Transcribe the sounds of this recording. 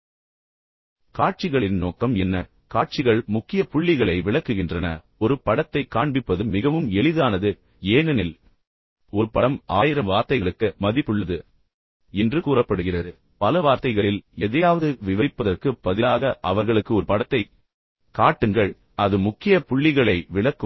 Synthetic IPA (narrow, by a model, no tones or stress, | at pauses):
kaːʈ̚t͡ʃɪɣɐɭɪnnoːkɐmɛnːɐ | kaːʈ̚t͡ʃɪɣɐɭmʊkːɪjɐpʊɭːɪɣɐɭɐɪʋɪɭɐkːɯɣɪndrɐnɐ̰ | ɔɾɯpɐɽɐt̪ːɐɪkaːɳbɪpːɐðɯmːɪɣɐʋɯmɛɭɪðaːnɐðɯ | eːnɐnɪl | ɔɾɯpɐɽɐmaːjɪɾɐmʋaːɾt̪ɐɪɣɐɭɯkːɯmɐðɪpːɯɭːɐðɯ | ɛndrɯkuːrɐpːɐɽɯɣɪrɐðɯ | pɐlɐʋaːɾt̪ɐɪɣɐɭɪlɛðɐjaːʋɐðɯʋɪʋɐɾɪpːɐðɐrkɯpːɐðɪlaːɣɐʔɐ̰ʋɐɾɣɐɭɯkːɯɔɾɯpɐɽɐt̪ːɐɪ | kaːʈːɯŋɡɐɭ | ɐðɯmʊkːɪjɐpʊɭːɪɣɐɭɐɪʋɪɭɐkːɯ